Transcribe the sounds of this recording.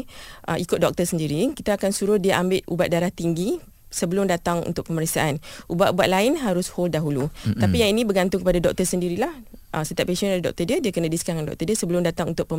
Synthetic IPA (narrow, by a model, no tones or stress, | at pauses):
ʔəikʊt̪̚dɔk̚t̪əsəndiɾikit̪aːkansuɾʊhdiaʔambɪt̪̚ʔubat̪̚daɾaht̪iŋɡi | səbəlʊmdat̪aŋṵnt̪ʊk̚pəməɾəksaʔanʔubaʔ̪ubaʔ̪̚laɪnɦaɾʊshol̚daɦulut̪apijaŋinĩbəɡant̪ʊŋkəpadadɔk̚t̪əsəndiɾilahʔəsət̪iapeʃəndaɾidɔ̰k̚t̪ədiədiakənə̃diskaŋandɔ̰k̚t̪ədiəsəbəlʊmdat̪aŋunt̪ʊʔ̚pə